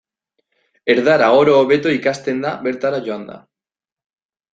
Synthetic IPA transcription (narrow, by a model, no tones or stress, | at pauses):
eɾðaɾaoɾoːβet̪oikast̪end̪abeɾt̪aɾaʝoand̪a̰